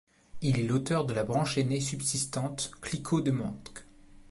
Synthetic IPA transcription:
ilɛlot̪œʁd̪əlabʁɑ̃ʃenesybsist̪ɑ̃t̪klikʰod̪əmɑ̰̃t̪k

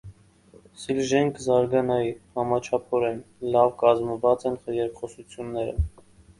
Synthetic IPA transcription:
silʒɛŋkʰzɑɾɡɑnɑjihɑmɑt͡ʃʰɑpʰɔɾɛn | lɑvkɑzməvɑt͡sɛnχəjɛɾkχɔsut͡sʰjunːɛɾə̰

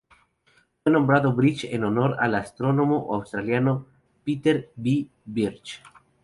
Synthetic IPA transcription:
fwenõ̞mbɾaðoβɾit͡ʃḛnonoɾa̰last̪ɾonomoʔawst̪ɾaljano | pit̪eɾbi | biɾt͡ʃ

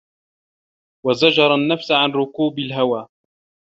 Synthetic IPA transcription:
wazad͡ʒɑɾˤanːafsʕanɾʊkuːbalɦawaː

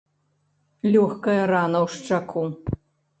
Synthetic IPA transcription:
lʲɔxkɐjɐɾanɐwʂt͡ʂakʰu

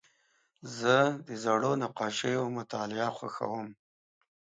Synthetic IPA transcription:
zəd̪əzaɽonaqɑʃejomʊt̪ɑlɪaxwa̰xa̰wəm

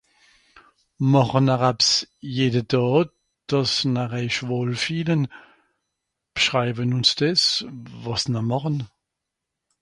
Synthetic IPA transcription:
mɑχənaʁapsjeːdədɑː | d̥ɑsnaʁɛʃvoːlfiːlən | b̥ʃʁaɪbənʊnsd̥ɛsvɑsnəmɑχən

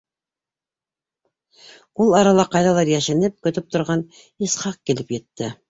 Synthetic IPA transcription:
ulˠɑɾɑlˠɑqɑjðɑlˠɑɾjæʃɘ̆nɘp̚kɵ̆t̪ɵp̚t̪ŏɾʁɑn | isχɑq̚kilɘpjɘ̆t̪ːɘ

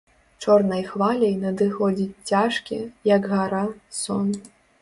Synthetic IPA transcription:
t͡ʂɔrnɐjxvalʲɐjnɐd̪ɨxɔd͡zʲit͡sʲt͡sʲaʂkʲḭjɐɡɣaɾasɔn

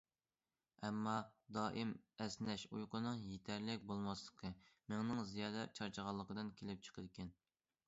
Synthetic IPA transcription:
ɛmːɑd̪ɑːʔimɛsnɛʃujqənɨŋjet̪ʰɛɾlɪk̚ʲbolˠmɑslˠəqʰəmɪŋnɨŋzijɑːd̪ɛt͡ʃʰɑɾt͡ʃʰəʁɑlˠːəqəd̪ɨnkʲʰelɪp̚t͡ʃʰə̥qʰəd̪ɪkʲʰɛn

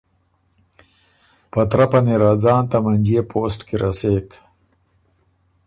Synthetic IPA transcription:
pɐt̪ɾapɐniɾad͡zɑːnt̪amɐnd͡ʒeːpʰoːsʈkiɾaseːk

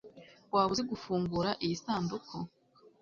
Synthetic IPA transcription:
waːβuzeɡufuːŋɡuɾaʔijisaːndukʰo

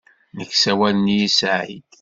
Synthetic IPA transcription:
nəkːsæwælənijisʕḭd̪̥

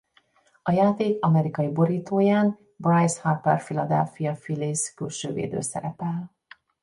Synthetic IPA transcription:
ɒjaːt̪eːkɒmɛɾikɒjibo̞ɾiːt̪oːjaːn | brajshapːɛrfilɒd̪ɛ̰lfijɒfiliskylʃø̰ːvḛːd̪ø̰ːsɛ̰ɾɛpɛl

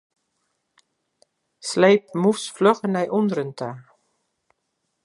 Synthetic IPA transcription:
slejp̚musfløχənɛjʔɔnrəntʰa

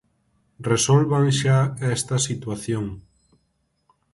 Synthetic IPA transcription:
resolβaŋʃaest̪ɐsit̪waθjoŋ

